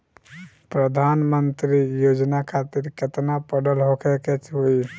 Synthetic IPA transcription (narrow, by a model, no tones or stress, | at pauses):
pɾəd̪ʱanmənt̪ɾijod͡ʒnakʰat̪iɾket̪napəɖəlɦokʰeket͡ʃʰɦoi